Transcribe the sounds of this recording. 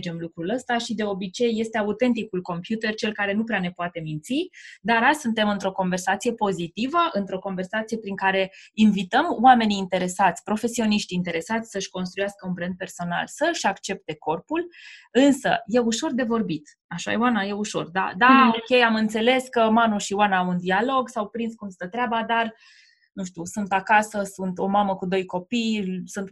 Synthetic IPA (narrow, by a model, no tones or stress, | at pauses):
d͡ʒe̞mlukɾuləst̪aʃid̪e̞o̞bit͡ʃe̞jːe̞st̪e̞aut̪e̞nt̪̬ikulko̞mpjut̪e̞rt͡ʃe̞lkaɾe̞nupɾeane̞poat̪e̞mint̪sid̪aɾasunt̪e̞mɨnt̪ɾo̞ko̞nve̞rsat̪sije̞po̞zit̪ivəʔɨnt̪ɾo̞ko̞nve̞rsat̪sije̞pɾiŋkaɾe̞invit̪əmwame̞niːnt̪e̞ɾe̞sat̪sʲpɾo̞fe̞sio̞niʃt̪ʲint̪e̞ɾe̞sat̪sʲsəʃʲko̞ns̬t̪ɾujaskəunpɾe̞nt̪̚pe̞rso̞na̰lsəʃʲakt͡ʃe̞p̚t̪e̞ko̞rpulɨnsə̰je̞uʃo̞rd̪e̞vo̞rbit̪ | aʃa̰jewanaje̞uʃo̞̰rd̪a̰d̪aokʲe̞jamɨnt̪se̞le̞skəmanuʃiwanaawund̪ialo̞ɡsawpɾinskumst̪ət̪ɾeabad̪ar | nũʃt̪ʲusunt̪akasəsunt̪o̞maməkud̪o̞jko̞pijsunt̪